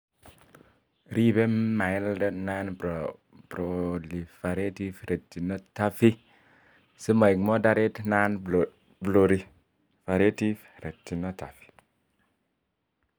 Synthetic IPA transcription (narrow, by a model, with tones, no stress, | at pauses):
ɾi˦be˦ma˨je˦lde˦na˦n | pɾo˨li˨fe˨ɾe˦ti˦fɾe˨tːi˨no˦ta˦fi˦ | si˦ma˨i˨kmo˦da˦ɾe˦tna˦n | blo˨ɾi˦ | fa˨ɾe˦ti˦fɾe˨tːi˨no˦ta˨fi̥˨